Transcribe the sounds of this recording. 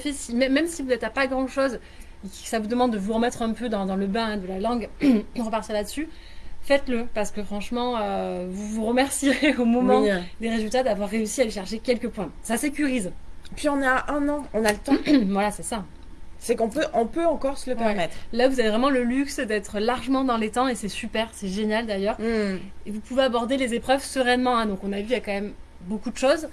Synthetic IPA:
efesimɛmːɛmsivuzɛt̪apaɡʁɑ̃ʃoz | esavud̪əmɑ̃d̪ːəvuʁəmɛt̪χɛ̃pød̪ɑ̃d̪ɑ̃ləbɛ̃ɛ̃d̪əlalɑ̃ɡʁəpaʁt̪iʁlad̪əsy | fɛt̪ləpaʁsə̥kəfχɑ̃ʃmɑ̃øvuvuʁəmɛʁsiʁeomɔmɑ̃d̪eʁezylt̪ad̪avwaʁːeysialeʃɛʁʃekʲɛlkəpwɛ̃sasekʲyʁizpɥiɔ̃naʔɛ̃nɑ̃ɔ̃nalət̪ɑ̃vwalasɛsa | sɛkɔ̃pøʔɔ̃pøɑ̃kɔʁsələpɛʁmɛt̪χlavuzavevʁɛmɑ̃ləlyksd̪ɛt̪χəlaʁʒəmɑ̃d̪ɑ̃let̪ɑ̃esɛsypɛʁsɛʒenjald̪ajœʁevupuveabɔʁd̪elezepχœvsəʁɛnmɑ̃ɛ̃d̪ɔ̃kɔ̃navyljakɑ̃mɛm | bokud̪əʃoz

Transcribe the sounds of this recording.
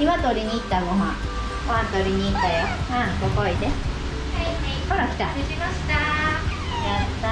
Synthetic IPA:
iβat̪oɾʲiɲ̟iːt̪ːaɡoɦã | hoãnt̪oɾʲiɲ̟iːt̪ːajohãt̪okoid̪e | koɾakʲi̥t̪a | ḁt̪a | jat̪ːa

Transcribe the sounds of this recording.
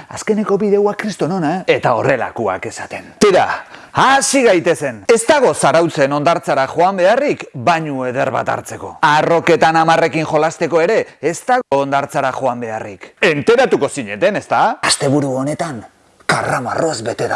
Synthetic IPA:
a̰ske̞ne̞ko̞βiðe̞wakɾist̪o̞no̞naee̞t̪ao̞re̞la̰kua̰ke̞sat̪e̞nt̪iɾa̰asiɣajt̪e̞se̞ne̞st̪aɣ̞o̞saɾawt͡se̞no̞nd̪aɾt͡saɾaxo̞ambe̞arikbaɲue̞ðe̞ɾβa̰t̪a̰ɾt͡se̞ko̞aro̞ke̞t̪anamare̞kiŋxo̞last̪e̞ko̞e̞ɾe̞ːst̪aɣoːnd̪aɾt͡saɾaxo̞ambe̞arike̞nt̪e̞ɾat̪uko̞siɲe̞t̪e̞ne̞st̪aast̪e̞βuɾuo̞ne̞t̪aŋ | karamaro̞zbe̞t̪eɾa

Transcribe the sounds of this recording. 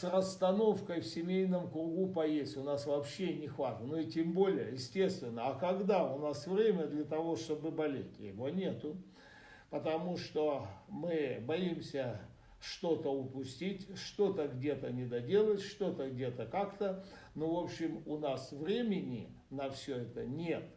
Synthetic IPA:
srəst̪ɐno̞fkəjfsʲɪmʲejnəmkɾʊɡupɐjesʲtʲʊnasvɐːpɕːenʲɪxvat̪ənoitʲembo̞lʲɪjə̰jɪsʲtʲe̞st̪vʲɪnːəɐkɐɡd̪aʊnasvɾʲemʲəd̪lʲət̪ɐvo̞ʂt̪o̞bɨbɐlʲḛtʲjɪ̰vo̞nʲe̞t̪ʊ | pət̪ɐmuʂt̪o̞mɨbɐimsʲə | ʂt̪o̞t̪əʊpʊsʲtʲitʲʂt̪o̞t̪əɡdʲe̞t̪ənʲɪd̪ɐdʲelˠətʲʂt̪o̞t̪əɡdʲe̞t̪əkakt̪ə | novo̞pɕːɪmʊnasvɾʲemʲɪnʲɪ̰ | nɐfsʲɵɛt̪ənʲe̞t̪

